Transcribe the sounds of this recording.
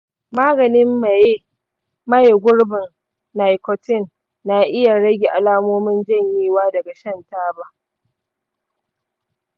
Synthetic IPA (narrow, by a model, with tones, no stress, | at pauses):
maː˦ɡɐ˨nɪ˦mːa˨je˦ | mɐ˦jɡʷʊ˦ɽbɪ˨n | na˨jkɔ˨tɪ˦˨nː | a˨ʔɪ˦ja˨ɽɐ˦ɡʲe˨ʔa˨laː˦moː˦mɪ˦nd͡ʒɐ˦ɲjiː˦waː˦dɐ˨ɡa˨ʃɐ˦˨ntaː˦ba˦ʔ